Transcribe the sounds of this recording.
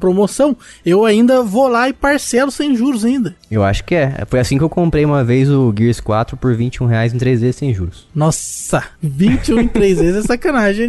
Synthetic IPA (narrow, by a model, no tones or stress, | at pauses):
pɾomosɐ̃w̃ewaĩnd̪ɐvolaɪpaɾsɛlʊsẽj̃ʒuɾʊzaĩnd̪ɐewa̰ʃʊ̥kɪɛ̰fojasĩkɪewkõmpɾejũmɐvejzʊɡiɾskwa̰t̪ɾʊpoɾvĩt͡ʃɪũɦeajzẽt̪ɾejzezɪsẽj̃ʒṵɾʊsnɔsɐvĩt͡ʃɪũẽt̪ɾejzmezɪzɛsakɐnaʒẽ